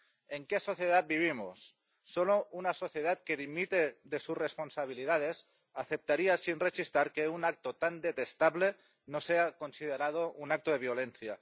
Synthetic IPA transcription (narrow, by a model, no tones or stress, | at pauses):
eŋkeso̞θjeð̞at̪̚biβ̞imo̰sː | olounaso̞θjeð̞at̪̚keðimit̪eðesurresponsaβ̞iliðað̞es | aθep̚t̪aɾiasinresist̪aɾkeunak̚t̪ot̪and̪et̪est̪aβle | noseakonsið̞eɾað̞ounak̚t̪oð̞e̞β̞jolenθja